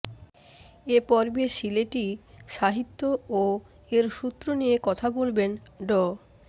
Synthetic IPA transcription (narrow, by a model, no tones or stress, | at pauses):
epɔɾbeʃileʈiʃaɦit̪ːoo | eɾʃut̪ːɾoniekɔt̪ʰabolbenɖɔ